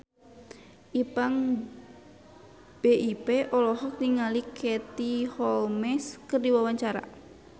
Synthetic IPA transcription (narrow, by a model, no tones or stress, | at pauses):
ʔipaŋ | b̥eʔipeʔɔlɔɦɔk̚niŋalikʰɛt̪ihɔlmɛskərdiwawaɲt͡ʃaɾa̰